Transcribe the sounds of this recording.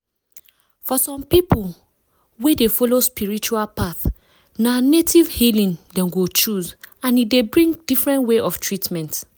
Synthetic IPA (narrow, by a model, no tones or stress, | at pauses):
fɔsɔ̃mpipul | wedefɔlospiɹit͡ʃualpaθ | nanetivhilĩndɛ̃mɡot͡ʃuzãnidebɹĩŋdifɹɛ̃ntweʔɔftʰɹitmɛ̃nt